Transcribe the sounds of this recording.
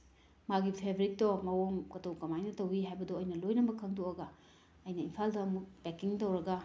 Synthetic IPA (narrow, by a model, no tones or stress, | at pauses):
maɡipʰebʱɾit̚tɔmɐwoŋkɐtowkɐmajnɐtɐwiɦajbɐdɔɐjnɐlojnɐmbɐkʰɐŋdoɐɡɐ | ɐjnɐinpʰaldɐmuk̚b̥ekiŋtowɾɐɡɐ